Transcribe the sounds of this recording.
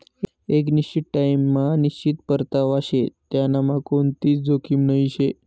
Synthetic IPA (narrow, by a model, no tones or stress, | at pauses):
ek̬niɕt͡ɕiʈʈːajmːaniɕt͡ɕit̪pəɾt̪aʋaɕet̪janamakoɳt̪iːt͡sd͡zokʰimnəiɕe